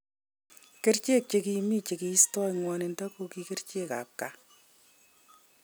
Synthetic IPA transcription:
ke˦ɾt͡ʃe˦˨k̚t͡ʃeki˨miː˦t͡ʃe˨ki˨i˦stɔ˦jŋwɔ˧ne˨nta˦ko˧ki˨ke˦rt͡ʃe˦ka̰˨p̚ka˨

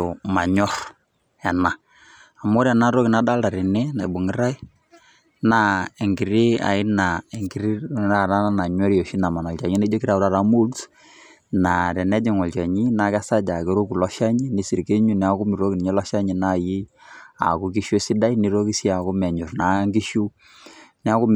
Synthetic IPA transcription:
o˨ma˨ɲɔ˦f | ɛ˨na˨ | a˨mo˦ɾɛ˨na˦ɾo˦ki˨na˦da˦lda˨ɾi˨nɛ˦na˨bu˨ŋɪ˦ɾa˦i˦ | na˦ɛ˨ŋɡi˨ɾi˦a̰˨ɪ˦na˨e˨ŋɡi˦ɾi˦a˦˨ɾa˦na˦na˨ɲwɛ˦ɾjo˨ʃi˦na˨ma˨nɔ˨lt͡ʃa˨ɲi˦na˦d͡ʒo˦ki˦ɾa˨bɾa˦ɾa˦mu˦ls | na˨ɾɛ˨nɛ˦d͡ʒɛ˨ŋɔ˨lt͡ʃa˨ɲi˦na˦kɛ˦sa˦d͡ʒa˨ke˦ɾo˦ku˨lɔ˦ʃa˦ɲi˦ni˦si˨ɾke˦ɲu˦nɛ˨˦a˦kʊ˦mi˨ɾo˦ki˨ni˨ɲɛ˦lɔ˦ʃa˦ɲi˨na˦ji˦a̰˨ku˦ki˦ʃo˦si˦da˦jni˦ɾo˦ki˦si˦a˨ku˦mɛ˨ɲu˨ɾna˨˦ŋɡi˦ʃu˦ | nɛ˦a˦kʊ˦m

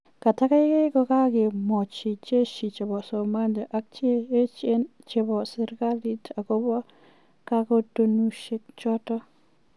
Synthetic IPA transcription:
ka˨ta˦ka˦ɪ˦ke˦kɔ˧ka˦kɪ˨mɔ˨t͡ʃi˨t͡ʃe˦ʃi˨t͡ʃe˨bɔ˨sɔ˨ma˦nd͡ʒa˨ʔa˨˦k̚t͡ʃeː˦t͡ʃe˦nt͡ʃe˨bɔ˨sɪ˨ɾka˦li˦tʰa˨kɔ˦bɔ˦ | ka˦kɔ˦to˦nu˦ʃe˦k̚t͡ʃɔ˦tɔ˦

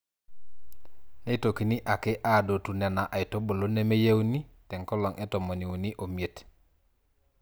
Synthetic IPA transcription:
ne˦i˦to˨ki˨ni˦ʔa˨ke˦ʔa˦˨do˨tu˨nɛ˨na˨ʔa˨i˨to˦bo˨lo˦ne˦me˦je˦wu˦ni˦tɛ˨ŋkɔ˦lɔ˨ŋʔe˦to˨mo˨ni˨wu˨ni˦ʔo˨mi˨e˦˨t

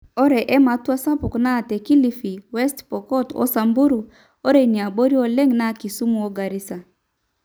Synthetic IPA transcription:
ɔ˦ɾɛ˨ʔɛ˦ma˨˦twa˦sa˦pʊ˨kna˦˨tɛ˨ki˦li˦fi˨wɛ˦stpɔ˨kɔ˦tɔ̰˦sa˨mbu˦ɾu˨ | o˦ɾe˨ni˨a˨bo˦ɾi˦o˦lɛ˦ŋna˦ki˨su˦mu˨o˦ɡa˨ɾi˦sa˨

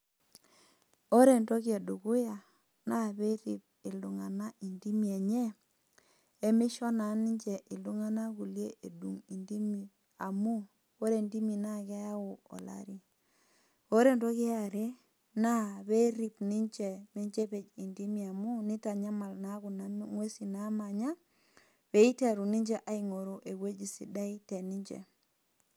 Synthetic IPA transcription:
o˦ɾe˨nto˦ke˨du˨kʊ˦ja˨ | na˦βe˦ɾḭ˨p̚ | ɪ˨ldu˨ŋa˨na˦ʔi˨ndi˦mi˨e˨ɲɛ˦ | e˦mɪ˦ʃɔ˦na˨˦ni˦ɲt͡ʃe˨ʔi˨ldu˦ŋa˦na˦ku˨lje˦ʔe˨dṵ˨ŋi˨ndi˦mi˨ | a˨mu˦ | o˦ɾe˨ndi˦mi˨na˦kɛ˦ja˦ʊ˨ɔ̰˨la̰˨ɾi˦ | o˦ɾe˦ndo˦ki˦a˨ɾe˦ | na˦βe˦ɾi˦pni˦ɲd͡ʒe˨ni˦ɲd͡ʒe˦pe˨d͡ʒi˨ndi˦mi˨a˨mu˦ni˦ta˨ɲa˦ma˨lna˦ɣu˨na˨m˦ŋwe˦si˨na˨˦ma˨ɲa˦ | βe˦i˦te˦ɾu˨ni˦ɲd͡ʒe˦ʔa˨i˨ŋo˨ɾo˨ʔe˨we˦d͡ʒi˨sḭ˨da˦i˦te˨ni˦ɲd͡ʒḛ˨

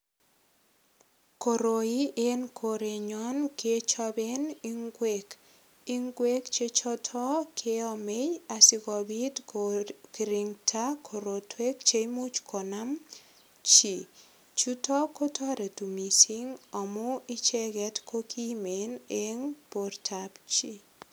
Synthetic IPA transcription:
ko˨ɾo˨i˦ʔe˦nkʰo˨ɾe˨ɲɔ˦nket͡ʃɔ˦be˦niŋɡwek | i˦ŋɡwe˦kt͡ʃe˦t͡ʃɔ˦tʰɔ˦kʰe˦ɔ˨me˦ja˨sɪ˦kɔ˨bi˦t | ki˨ɾiŋtʰa˦kʰo˨ɾo˨twe˦kt͡ʃe˦imu˦t͡ʃkʰɔ˨na˦m | t͡ʃi˨ | t͡ʃu˦tɔ˦ko˦tʰɔ˦ɾe˨tu˨mi˨si˦ŋɔ˨mʊ˦i˦t͡ʃɛ˦ɡɛ˦tkʰo˦kʰi˦meneŋportʰapt͡ʃi˦

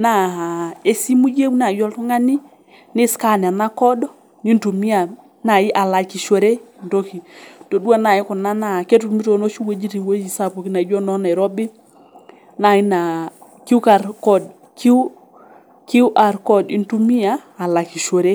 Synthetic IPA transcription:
na˦˨a˨e˦si˦mu˦d͡ʒe˦wna˨jɔ˦ltɔ˦ŋa˦ni˦ | nɪ˦ska˦˨n˨a˨na˦kɔ˦dɔ˦ | ni˦ntu˨mi˦a˨ | na˨jɪ˦ʔa˨la˨ki˨ʃo˨ɾe˦˨nto˦ki˨to˨du˦a˦na˨jɪ˦kɔ˨na˦na˨ke˦t̬u˨mi˦to˨no˦t͡ʃi˦we˦d͡ʒi˦ti˨we˦d͡ʒi˨sa˦˨po˨ki˦na˨d͡ʒɔ˦nɔ˦na˨ɾɔ˦bɪ˦ | na˨ji˦na˨ | ki˦u˦ka˨ɾkɔ˦˨d | ki˦ | ki˦u˦ʔa˨ɾkɔ˦˨di˨˦ntu˦mi˦aː˦˨la˨ki˨ʃo˨ɾe˦

